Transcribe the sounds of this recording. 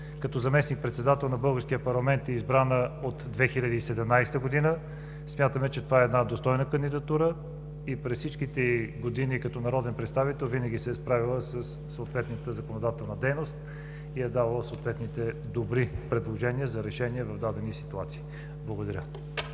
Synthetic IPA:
kɐt̪ɔzɐmɛsnik̚pɾɛt̪sɛd̪at̪ɛlˠnɐbɤlˠɡəɾskʲiəpɐɾlˠɐmɛnt̪ɛizbɾanəot̪d̪vɛxilʲəd̪iːsɛd̪ɛmnajst̪əɡod̪inə | smʲjat̪əmɛt͡ʃɛt̪ovaɛːd̪nad̪ost̪ɔjnəkənd̪id̪ɐt̪uɾə | ipɾɛssit͡ʃkit̪ɛɡod̪inikɐt̪ɔnɐɾɔd̪ɛnpɾɛt̪st̪avit̪ɛlˠvinəɡʲisɛspɾavilˠəsəsːoːt̪vɛt̪nət̪əzɐkonod̪at̪ɛlˠnəd̪ɛjnost̪ | ijɛd̪avɐlˠəsoːt̪vɛt̪nit̪ɛd̪obɾipɾɛd̪lˠoʒɛniəzɐɾɛʃɛniɛvɐvd̪ad̪ɛnisi̥t̪uat̪si̥ː | blˠɐɡod̪ɐɾʲə

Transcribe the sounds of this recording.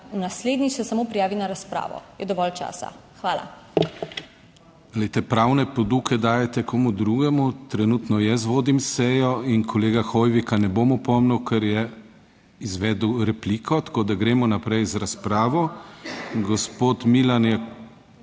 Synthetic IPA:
unasleːd̪nixsɛsamoːpɾijaːʋinaɾaspɾa̰ːʋɔ̰jɛd̪ɔʋɔlt͡ʃa̰ːsa̰xʋaːla̰ | lɛjt̪ɛpɾawnɛpɔd̪ukɛd̪aːjɛt̪ɛkʰomud̪ɾuːɡɛmut̪ɾɛnuːt̪nɔjɛsʋoːd̪imsɛjɔinkʰɔleːɡaxojʋikanɛbomɔpɔmnuwkʰɛɾjɛ | izʋɛːd̪wɾɛpliːkʰɔt̪ḁkoːd̪aɡɾeːmɔnapɾɛjzɾaspɾaːʋɔ | ɡɔspoːt̪milanjɛ

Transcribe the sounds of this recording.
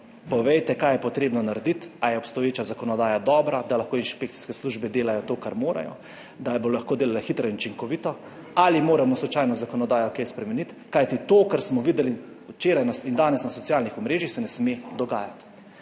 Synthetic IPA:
pɔʋɛjt̪ɛkajɛpɔt̪ɾeːbnɔnaɾɛd̪it̪ajɛɔpst̪ɔjeːt͡ʃazakɔnɔd̪aːjad̪ɔːbɾad̪alaxkoːinʃpeːk̚t̪i̥skɛsluʒbɛd̪eːlajɔt̪oːkaɾmoːɾa̰jɔ̰ | d̪abolaxkoːd̪eːlalaxit̪ɾɔinut͡ʃiŋkɔʋit̪ɔ | alimoːɾamɔslɔt͡ʃaːjnɔzakɔnɔd̪aːjɔkejspɾɛmɛnit̪kajt̪it̪oːkaɾsmɔʋiːd̪ɛli | wt͡ʃeːɾajnaind̪aːnɛsnasɔt̪ijalnixɔmɾeːʒixsɛnɛsmed̪ɔɡaːjat̪

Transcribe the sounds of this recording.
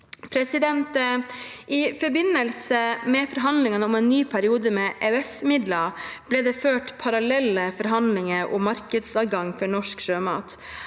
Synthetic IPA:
pʰɾɛsɪd̪ɛnt̪ə | ʔɪfɔɾbɪnːəlsəmɛfɔɾɦɑnd̪lɪŋɑnəʊmɛnːyːpʰæɾɪuːd̪əmɛːʔɛɛsmɪd̪lɑb̥lɛːd̪ɛːføːʈpʰɑɾɑlɛlːəfɔɾɦɑnd̪lɪŋəʔɔ̰mːɑɾkəd̪sɑːɡɑŋːfɔɳɔʂkʂøːmɑ̰ːt̪

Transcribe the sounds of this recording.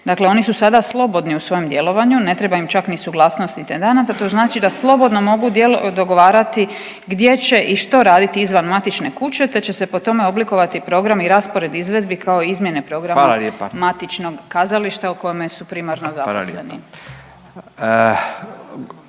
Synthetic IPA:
d̪akleo̞nisusad̪aslˠo̞bo̞d̪niusʋo̞jemd̪je̞lo̞ʋaɲune̞t̪ɾebaimt͡ʃaknisuɡlˠaːsno̞st̪nit̪end̪enat̪at̪o̞znaːt͡ʃid̪aslˠo̞bo̞d̪nomo̞ɡud̪jelod̪o̞ɡo̞ʋaːɾat̪i | ɡd̪je̞t͡ɕe̞ʔiʃt̪o̞ɾaːd̪it̪iizʋanmat̪it͡ʃne̞kut͡ɕe̞t̪e̞t͡ɕe̞se̞po̞t̪o̞me̞o̞bliko̞ʋat̪ipɾo̞ɡɾamiɾaspo̞ɾe̞d̪izʋe̞d̪bikʰaoizmje̞nepɾo̞ɡɾammmat̪it͡ʃno̞ɡkazaliʃt̪auko̞jemesupɾimaɾnozaɾo̰slenḭ

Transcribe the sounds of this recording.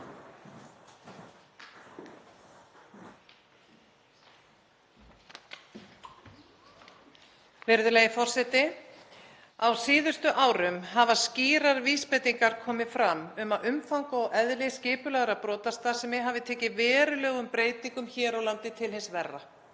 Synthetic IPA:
vɪɾðʏlejɪfɔr̥sɛt̪ɪ | awsiːðʏst̪ʏʔaːwɾʏmɦavasciːɾaɾviːspɛt̪iŋkaɾ̥kʰɔːmɪfɾamʏmaðʏmfawŋkɔɣʔɛðlɪscɪːpʏlɛɣɾapɾɔːt̪ast̪asɛmɪɦavɪt̪ʰɛːcɪvɛːɾʏlœːɣʏmpɾeːjt̪niŋkʏmçɛːɾawlant̪ɪt̪ʰɪlhɪnsvɛrːa

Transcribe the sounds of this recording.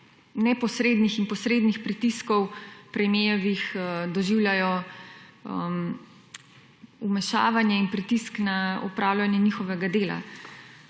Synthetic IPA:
nɛpɔsɾeːd̪nixinpɔsɾeːd̪nixpɾit̪iskɔwpɾɛmeːɔʋixd̪ɔʒiwljajɔ | əm | umɛʃa̰ːʋanjɛinpɾit̪isknaɔpɾawlʲanjɛnixɔʋɛɡad̪eːla̰

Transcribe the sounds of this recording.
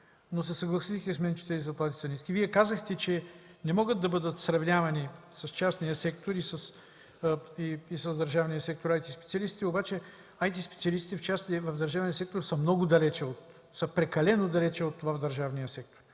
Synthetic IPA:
nos̬ɛsɐɡlˠɐsit̪k̪ʲɛsmɛnʲt͡ʃɛ̥t̪ɛzizɐplˠat̪i̥sɐniskʲiviɛkazəxt̪ɛt͡ʃɛ | nɛmɔɡət̪̚d̪ɐbɤd̪ət̪sɾɐvnʲavɐnisɐst͡ʃasnijəsɛk̚t̪oɾisəs | iisɐzd̪ɐɾʒavnijəsɛk̚t̪oɾajt̪ispɛt̪siɐlist̪i̥t̪ɛobat͡ʃɛ | ajt̪ispɛ̥t̪siɐlist̪i̥t̪ɛft͡ʃasnivɐvd̪ɐɾʒavnijəsɛk̚t̪oɾsəmnɔɡʊd̪ɐlɛt͡ʃɛot̪ | səpɾɛkɐlɛnod̪ɐlɛt͡ʃɛot̪vavd̪ɐɾʒavnijəsɛk̚t̪o̥ɾ

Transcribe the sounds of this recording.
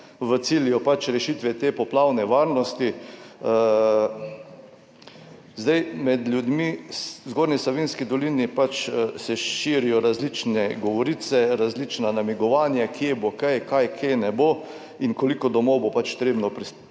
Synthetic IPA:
ʋət̪siljɔpat͡ʃɾɛʃiːt̪ʋɛt̪eːpɔplaːwnɛʋaːɾnɔst̪i | zd̪ajmɛd̪lʲjud̪miszɡoːɾnisloʋinskid̪ɔliːnipat͡ʃsɛʃiːɾijɔɾazlit͡ʃnɛɡɔʋɔɾiːt̪sɛɾazlit͡ʃnanamiɡɔʋaːnjakʰjebokajkajkʰjenɛbo | inkolikɔd̪ɔmɔwbopat͡ʃt̪ɾeːbnɔpɾis

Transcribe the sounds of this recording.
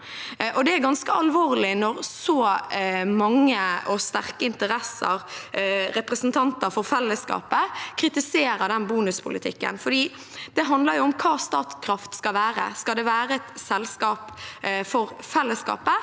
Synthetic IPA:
ʔɔd̪ɛæɾɡɑnskəɑlʋoːʁlɪnɔɾsɔ | mɑŋːəʔɔst̪æɾkəɪnt̪əɾɛsə̰ɾ | ɾɛpɾəsnt̪ʰɑnt̪əɾfɔɾfɛlːəskɑ̰ːpəkʰɾɪt̪ɪseːɾəd̪ɛnbuːnʉspʰʊlɪt̪ʰɪkːə̰nfɔɖ̪iː | d̪̥ɛɦɑnd̪ləɾjʊɔmkʰɑːst̪ɑːt̪skʰɾɑft̪skɑlʋæːɾə̰skɑld̪ɛʋæːɾəɛt̪sɛlskɑːpfɔɾfɛlːəskɑ̰ːpə

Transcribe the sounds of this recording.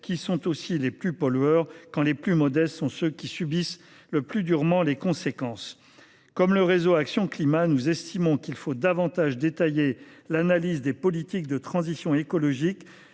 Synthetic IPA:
kʲisɔ̃t̪osileplypɔlœʁkɑ̃leplymɔd̪ɛst̪sɔ̃søkʲisybis | ləplyd̪yʁmɑ̃lekɔ̃sekɑ̃s | kɔmləʁezoaksjɔ̃klimanuzɛst̪imɔ̃kilfod̪avɑ̃t̪aʒd̪et̪ajelanalizd̪epɔlit̪ik̚d̪ət̪χɑ̃zisjɔ̃ekɔlɔʒik

